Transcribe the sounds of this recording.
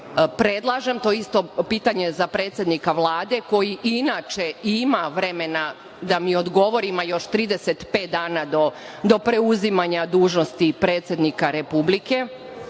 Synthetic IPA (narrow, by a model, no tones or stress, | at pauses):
pɾe̞d̪lˠaʒe̞mt̪o̞ːist̪o̞piːt̪aɲe̞zapɾe̞ːt̪sje̞d̪nikaʋlˠaːd̪e̞ko̞jiʔinat͡ʃe̞imaʋɾe̞me̞na | d̪amio̞d̪ɡo̞ʋo̞ɾimajo̞ʃt̪ɾiːd̪ese̞t̪pe̞ːt̪̚d̪aːnad̪o | d̪o̞pɾe̞uzimaɲad̪uːʒno̞st̪ipɾeːt̪sʲje̞d̪nikaɾe̞publike̞